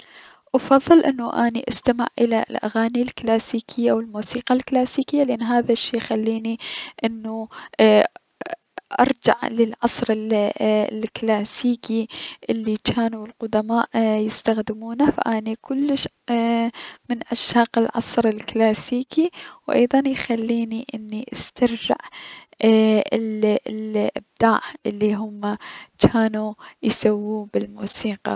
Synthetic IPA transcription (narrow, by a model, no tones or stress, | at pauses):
ʔɑfɑðˤːɨlʔɪnːuʔaːnḭʔast̪amɪ̰ʕʔɪlalʔa̰ɣaːnilklaːsiːkʰɪjːaʔawɪlmuːsiːqalklaːsiːkɪjːalʔanːɦaːðaʃːijxalːiːniʔɪnːu | ʔɑ̰ɾˤd͡ʒa̰ʕlɪlʕɑsˤɾɪl | lklaːsiːkiʔɪlːikaːnuɪlqʊd̪amaːʔjɪst̪axd̪ɪmuːnafa̰ʔaːnikʊlːʃ | mɪnʔaʃaːqɪlʕɑsˤɾɪlklaːsiːkiwʔɑ̰jðˤɑnjxalːiːniʔɪnːiʔast̪aɾd͡ʒɪ̰ʕ | ɪlʔɪ̰b̚d̪aːʕʔɪlːiɦʊmːat͡ʃaːnujsawːuːbɪlmuːsiːqɑ̰